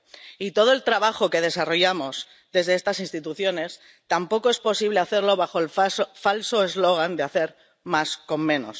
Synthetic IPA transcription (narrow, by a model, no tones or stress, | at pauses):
it̪o̞ð̞oe̞lt̪ɾaβaxo̞ke̞ð̞e̞saro̞ʝamo̞z | ðe̞zðe̞est̪asinst̪it̪uθjo̞ne̞s | t̪ampo̞ko̞e̞spo̞siβ̞le̞aθe̞ɾlo̞βaxo̞elffalsoezlo̞ɣ̞and̪eaθe̞ɾ | masko̞mːẽ̞no̞̰s